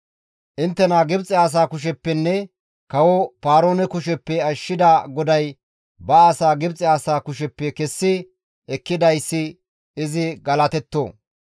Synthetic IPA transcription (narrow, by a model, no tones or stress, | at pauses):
ʔɪnt̪ːɛnaɡɪbt͡sʼːɪaːs̬aːkʊʃ̬ɛpːɛnːɛ | kɐwɔpaːɾoːnɛkʊʃɛpːɛɐʃːɪd̪aɡɔd̪ɐj | bɐːsaːɡɪbt͡sʼɪaːsaːkʊʃɛpːɛkɛsːɪ | ɛkːɪd̪ɐjsːɪ | ɪzɪɡɐlɐt̪ɛt̪ːo̰ː